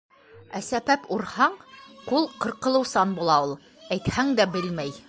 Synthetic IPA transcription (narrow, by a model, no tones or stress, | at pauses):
æsæbæpuɾhɑɴqulˠqɤ̆ɾqɤ̆lˠɤ̆wsɑnbulˠɑulˠ | æjt̪hæŋd̪æbɘlmæj